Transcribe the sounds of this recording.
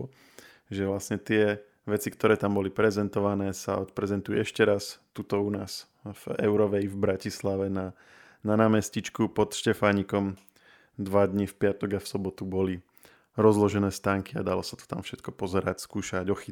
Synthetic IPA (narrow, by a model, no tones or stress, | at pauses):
ʒɛʋlasɲɛt̪ɪɛ | ʋɛt͡sikt̪ɔɾɛːt̪ambɔlipɾɛzɛnt̪ɔʋanɛːsa̰ɔt̪pɾɛzɛnt̪ujɛɛʃcɛɾast̪ut̪ɔunaːs | v̥ɛ̰ʊɾɔʋɛivbɾacislaʋɛna | nanaːmɛscit͡ʃkupɔt̪ʃcɛfaɲikɔm | d̪ʋad̪ɲifpɪat̪ɔɡafsɔbɔt̪ubɔli | ɾɔzlɔʒɛnɛːst̪aːŋkiad̪alɔsḁt̪ɔ̥t̪amfʃɛt̪kɔpɔzɛɾacskuːʃaɟɔxi